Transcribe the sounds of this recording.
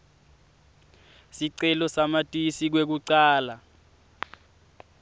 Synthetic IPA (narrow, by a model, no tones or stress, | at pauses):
siǀɛlɔsamatʼisik̬wek̬uǀaːla